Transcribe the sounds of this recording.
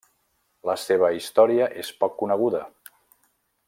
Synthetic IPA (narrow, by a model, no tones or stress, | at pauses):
ləseβ̞əist̪ɔɾiəʔespɔkːunəɣuðə